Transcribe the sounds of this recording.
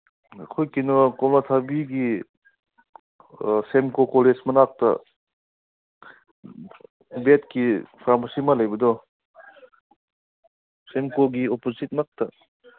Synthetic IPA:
kʰɔjkinɔkɔmnat̪ʰabiɡi | semkokɔled͡ʒmɐnak̚tɐ̰ | betkipʰaɾmasimalajbɐdɔ | semkoɡiopozit̚mak̚tɐ

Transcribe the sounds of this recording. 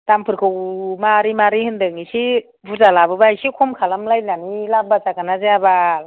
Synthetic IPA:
tampʰɯɾkʰɯwmaɾimaɾihɯndɯŋisi | buzalabɯbajsikʰumkʰalamlajlanilab̚basakanazeaba

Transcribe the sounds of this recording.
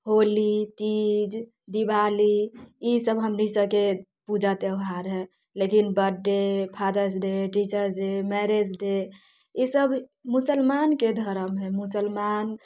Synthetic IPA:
ɦolit̪id͡ʒ | d̪ibaliisəbɦəmnisəbke | pud͡ʒat̪eʊɦaɾɦɛ | lekinbəɖːepʰad̪əsɖeʈit͡ʃəɾsɖemɛɾed͡ʒɖe | isəbmusəlmanked̪ʱəɾəmɦɛmusəlman

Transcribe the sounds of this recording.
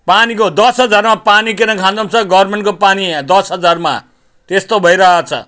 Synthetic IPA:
panikod̪ʌsɦʌd͡zarmapanikeɾʌŋkʰãnd̪ʌmt͡sʰʌɡʌrmenkopanid̪ʌsɦʌd͡zarma̰ | t̪est̪obʱʌjɾʌɦat͡sʰʌ̰

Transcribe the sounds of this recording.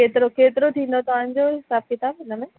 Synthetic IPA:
eːt̪ɪɾokʰeːt̪ɪɾot̪ʰĩːn̆d̪ot̪ɐʋ̤ãɪ̃ɲd͡ʑoɦɪsaːb̚kɪt̪aːbɪnəmẽ

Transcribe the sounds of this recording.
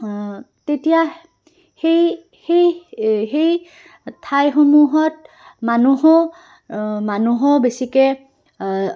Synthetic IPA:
tetija | hej | xejɦej | tʰajxomuɦɔt̚ | manuɦɔ | manuɦɔbesikɛ

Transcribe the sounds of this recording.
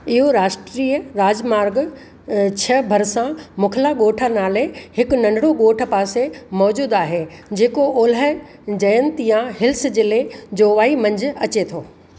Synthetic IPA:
ɪɦoɾaːʃʈɾiːəɾaːd͡ʑmaːɾɡ | t͡ɕʰɐbʱɐɾsãmʊkʰlaːɠoːʈʰanaːlehɪkʊnɐ̃ɳɖɽoɠoːʈ̆ʰpaːsemɔːd͡ʑuːd̪aːɦed͡ʑeːkooːlə | d͡ʑɐjə̃nt̪jãɦɪlsd͡ʑɪled͡ʑoːʋaːimɐ̃ɲd͡ʑʱʊ̆ɐt͡ɕet̪ʰoː

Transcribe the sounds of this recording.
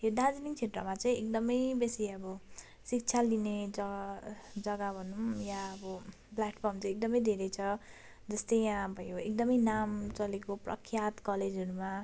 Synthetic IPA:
ɦeɾd̪ad͡ziniŋt͡sʰeʈrʌ̰mat͡sʌĩek̚d̪ʌmʌjbesiʌbʌ | sik̚t͡sʰalined͡z | d͡zʌɡabʱʌnumjaʌbʌ | pljaʈpʰʌrmt͡sʌ̃j̃ek̚d̪ʌmʌjd̪ʱeɾʌjt͡sʰʌ | d͡zʌst̪ʌjjãbʱʌjoekd̪ʌmʌjnamt͡sʌlekoprʌ̰kʰːjat̪kʌled͡zʌɾuma

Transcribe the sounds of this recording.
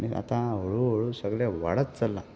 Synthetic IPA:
nia̰t̪ãɦoɭuɦoɭusəɡɭaʋa̰ɭət̪t͡səlːa

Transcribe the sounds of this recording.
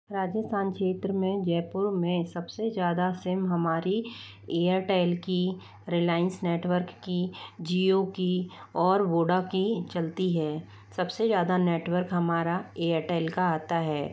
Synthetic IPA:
ɾaːd͡ʒəst̪ʰaːnkʃeːt̪ɾəmẽd͡ʒɛːpʊɾmẽsɐbsed͡ʒjaːd̪asɪmɦɐmaːɾi | eːəɾʈɛːlki | ɾɪlaːɪə̃nsneːʈwəɾkːid͡ʒiːokiɔːɾʋoːɖakit͡ʃɐlt̪iɦɛː | sɐbsezjaːd̪aneːʈwəɾkɦɐmaːɾaeːəɾʈɛːlkaaːt̪aɦɛː

